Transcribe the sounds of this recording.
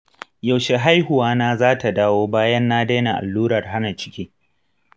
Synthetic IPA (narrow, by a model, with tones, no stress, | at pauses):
ja˨wʃe˨ɦa˦jhʊ˨waː˦naː˦zaː˦ta˨daː˦woː˦baː˦jɐ˦nːaː˦deː˦na˨ʔa̰˨lːuː˦ɾɐ˨rɦa˦na˨t͡ʃɪ̥˦kʲiː˦